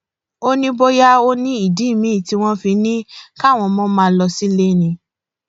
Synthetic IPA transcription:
o˦nĩ˦bo˦ja˦o˦nĩ˦i˦˨di˨˦˨mĩ˨˦˨ti˧˦w̃ɔ̃˦fi˧˦nĩ˦ka˦˨w̃ɔ̃˧mɔ̃˦mãː˦˧˦lɔ˧si˦le˦˨nĩ˧

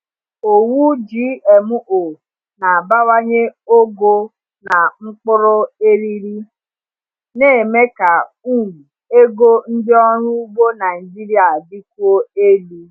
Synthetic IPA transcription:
o˨wu˦d͡ʒiː˦e˨mũ˦ʔo˨ | na˨a˨ba˦wa˦ɲe˦o˦ɡo˦ | na˨ŋ͡m̩˦k͡pʊ˦ɾʊ˦e˦ɾi˦ɾi˦ | ne˦˨me˦ka˨ | u˦˨wu˨ | e˦ɡo˦n̩˦dɪ˦ɔ˦ɾu˦bo˦na˨i˨d͡ʒi˦ɾi˦a˨di˦ku˦o˦e˦li˨

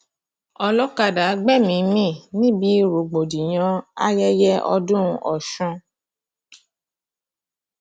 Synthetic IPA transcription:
ɔ˧lɔ˦ka˧˨da˨˦ɡ͡bɛ˦˨mĩ˨˧˦mĩ˦˨nĩ˦bi˨˦ɾo˨ɡ͡bo˨di˨j̃ã˧a̰˦jɛ˦jɛ˦ʔɔ̰˧dũ˦˧ʔɔ̰˨ʃũ˧

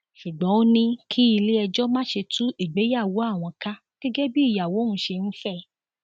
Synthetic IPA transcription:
ʃu˨ɡ͡bɔ̃˨˦o˦nĩ˧kʰi˦i˧le˦ɛ˧d͡ʒɔ˦mãː˦ʃe˧tũ˦i˦˨ɡ͡be˨˦ja˦˨wo˨˦a˦˨w̃ɔ̃˧ka˦ | ɡ̥ɛ˦ɡɛ˦bi˦i˦˨ja˨wo˨˦nũ˨˦ʃe˧ñ̩˦fɛ˦˨

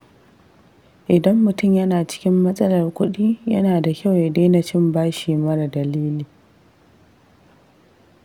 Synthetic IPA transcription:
ʔɪ˨dɐ˦mːʊ˨tʊ˦˨mjɐ˦naː˨t͡ʃɪ̥˦kʲɪ˦mːɐ˦sʼɐ˦lɐ˨rkʷʊ˦ɗiː˦jɐ˦naː˨da˨kʲa˦˨wje˨deː˦nɐ˨t͡ʃɪ˦mbaː˦ʃiː˨mɐ˦ɾa˨dɐ˨liː˦liː˨

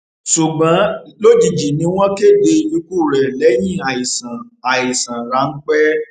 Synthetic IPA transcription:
su˨ɡ͡bã˨˦lo˦d͡ʒi˨d͡ʒi˨nĩ˦w̃ɔ̃˦ke˦˨de˧i˧lu˦ku˦˨ɾɛ˨lɛ˨˦j̃ĩ˦˨a˨i˨sã˨a˨i˨sã˨ɾa˨˦ŋ̩˦k͡pɛ˦

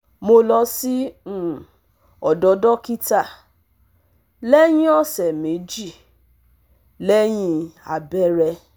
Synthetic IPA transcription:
mo˧lɔ˧sĩ˦˨ | ɔ˨dɔ˨˧dɔ˦ki˦ta˦˨ | lɛ˦j̃ĩ˦ɔ˦˨sɛ˨me˨˦d͡ʒi˦˨ | lɛ˦j̃ĩ˧a˨bɛ˦ɾɛ˧

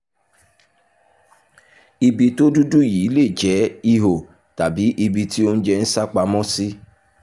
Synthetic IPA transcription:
i˧bi˧to˦du˦du˦˨ji˨˦le˦˨d͡ʒɛ˨˦i˧ɦo˨ | ta˨bi˨˦ʔi˧bi˧ti˦o˦n̩˦d͡ʒɛ˧n̩˦sa˦k͡pa˧mɔ̃˦si˦

